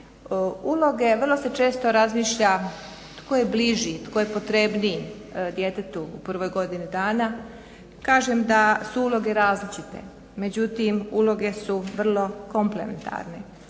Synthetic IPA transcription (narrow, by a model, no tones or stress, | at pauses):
ulo̞ɡe̞ʋr̩lo̞se̞t͡ʃe̞ːst̪o̞ɾazmiːʃʎa | t̪kojebliʒit̪kojepo̞t̪ɾe̞bni | d̪je̞t̪e̞t̪uupr̩ʋo̞jɡo̞d̪inid̪aːna | kaːʒemd̪asuuːlˠo̞ɡe̞ɾaːzlit͡ʃit̪e̞̰ | me̞d͡ʑut̪imuːlˠo̞ɡe̞suʋr̩lˠo̞ko̞mple̞̰ment̪ʰa̰ɾne